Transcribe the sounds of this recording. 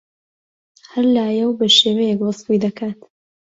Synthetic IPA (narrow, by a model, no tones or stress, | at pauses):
hɐɾlaːjɛwbɐʃeːwɛjɛkwɑsfujd̪ɐkʰaːt̪